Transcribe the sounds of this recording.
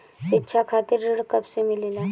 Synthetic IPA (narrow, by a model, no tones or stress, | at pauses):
ʃɪtːʃʰakʰaːt̪ɪɾːɪɽkɐbsemɪlelaː